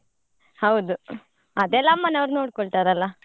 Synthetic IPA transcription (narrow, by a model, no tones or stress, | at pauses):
hɐwd̪u | ɐd̪ɛlːɐmːɐnɐʋɾnoːɽkɔɭt̪aːɾɐlːɐ